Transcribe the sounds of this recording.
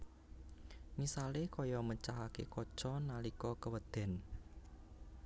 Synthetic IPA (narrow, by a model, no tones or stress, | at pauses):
misalekɔjɔmət͡ʃaɦakḛkɔ̥t͡ʃɔnalikɔkəwəd̪̥ɛ̤n